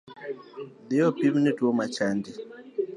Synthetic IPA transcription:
dijopiminitwomat͡ʃandi

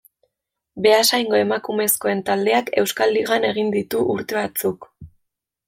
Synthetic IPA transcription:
be̞asajŋɡo̞e̞makume̞sko̞e̞nt̪ald̪e̞ake̞wskalːiɣane̞ɣ̞ind̪it̪uʔuɾt̪e̞βat͡suk

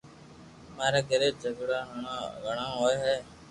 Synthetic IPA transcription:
maːɾaːɡəɾeːd͡ʒʱəɡɽaːɦɡʱəɳãːɦoːeːɦɛː

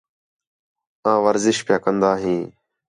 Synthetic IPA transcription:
ãːʋəɾzɪʃpjaːkənd̪aːɦĩː

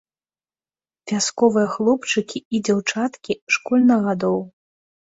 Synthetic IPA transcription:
vʲaskɔvɨjɐxlˠɔpt͡ʂɨkʲiid͡zʲawt͡ʂat̪kʲiʂkɔlʲnɐɣad̪ɔw

